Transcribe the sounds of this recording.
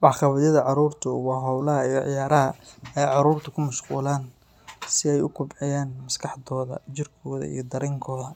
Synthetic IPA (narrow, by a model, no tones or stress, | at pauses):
ʔɑʕqɑβɐðjɐðɐʕɑɾuːrt̪ʰʊwɑːɦɐwlɐɦɐijʕjaːɾɐɦɐɛːjʕɑɾuːrt̪ʰɐkʰʊmɐʃquːlaːn | sɪɛjʊkʰʊbʕɪjaːnmɐskʰɑħd̪ɔːðɐ̰t͡ʃɪrkʰɔːðɐ̰ḭjɞd̪ɐɾɛːŋkʰɔːðɐ